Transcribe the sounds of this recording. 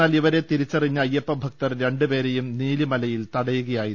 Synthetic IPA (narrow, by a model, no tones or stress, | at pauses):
aːliʋɐɾe̞t̪iɾit͡ɕːɐriɲːɐɐjːɐpːɐbʱɐk̚t̪ɐrɾe̞ɳɖɨpe̞ːɾejumniːlimɐlɐjilt̪ɐɽɐjuɣɐjaːji